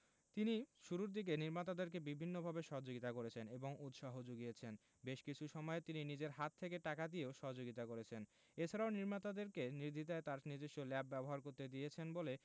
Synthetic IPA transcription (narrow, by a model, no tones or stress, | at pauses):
t̪iniʃuɾuɾd̪ik̬eniɾmat̪ad̪eɾk̬ebibʱinːobʱabeʃɔɦod͡ʑoɡit̪akoɾet͡ɕʰeneboŋut̪ʃaɦod͡ʑoɡijet͡ɕʰen | beʃkit͡ɕʰuʃɔmɔet̪ininid͡ʑeɾɦat̪ʰːekeʈakad̪ijeoʃɔɦod͡ʑoɡit̪akoɾet͡ɕʰen | et͡ɕʰaɾaoniɾmat̪ad̪eɾkeniɾd̪ʱit̪aet̪aɾnid͡ʑeʃʈolɛp̚bɛboɦaɾkoɾt̪ed̪ijet͡ɕʰenbole